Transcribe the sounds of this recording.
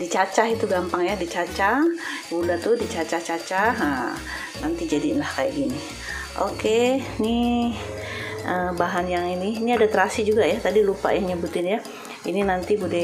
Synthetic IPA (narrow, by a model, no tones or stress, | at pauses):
dit͡ʃat͡ʃaɦit̪uɡampaŋjadit͡ʃat͡ʃabudat̪ʊdit͡ʃat͡ʃaht͡ʃat͡ʃaɦə | nant̪id͡ʒadinlahkaja̰ʔɡini | ʔokeni | ʔəbaɦanjaŋiniːniadat̪ɾasid͡ʒuɡajat̪adilupa̰jaŋɲəbut̪ɪnja | ininant̪ibudɛ